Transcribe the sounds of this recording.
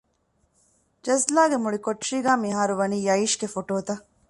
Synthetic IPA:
d͡ʒɐzlaːɡemuɭikoʈːʂiːɡaːmiɦaːɾuʋɐniːjɐiʃɡefoʈoːt̪ɐ

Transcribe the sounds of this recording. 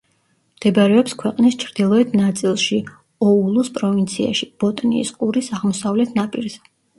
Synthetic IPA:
md̪̥ɛbaɾɛɔpskʰwɛqʼnist͡ʃʰɾd̪ilˠɔɛt̪ʰnat̪sʼilˠʃi | ɔulˠuspʼɾɔvint̪sʰia̰ʃib̥ɔt̪ʼnḭːskʼuɾisaʁmɔsavlɛt̪ʰnapʼiɾzɛ

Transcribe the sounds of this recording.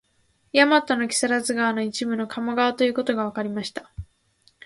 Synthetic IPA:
jamat̪ːono̞kʲi̥saɾazɨɡaːno̞it͡ɕibɯ̟no̞kʰamaɡaβat̪o̞jɯ̟ːko̞t̪o̞ɡaβ̞akaɾʲimaɕi̥t̪ḁ

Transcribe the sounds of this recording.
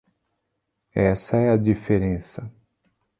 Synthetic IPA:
ɛsɐɛɐd͡ʒifeɾẽsɐ

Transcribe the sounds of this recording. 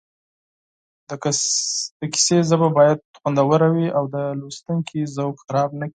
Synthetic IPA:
d̪̥əki̥sezəbabɑjad̪̚ɣwand̪awəɾawiawd̪əlust̪uŋkʰizawkxaɾɑb̚nəki̥

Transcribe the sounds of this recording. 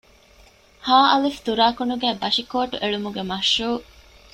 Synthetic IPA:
haːʔɐlift̪uɾaːkunuɡæːbɐʃikoːʈuʔeɭumuɡemɐʃːuː

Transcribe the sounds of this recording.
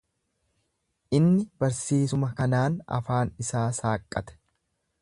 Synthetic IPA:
ʔɪnːɪb̥ɐɾsiːsʊmɐkɐnaːnɐ̰faːnɪsaːsaːkʼːɐt̪ɛ̥

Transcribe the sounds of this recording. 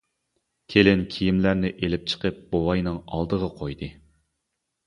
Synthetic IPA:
kʲʰelɪnkʲʰijimlæɾnɪʔelɪp̚t͡ʃʰə̥qəp̚b̥owɑjnɨŋɑ̰lˠd̪əʁɑqʰojd̪ɨ

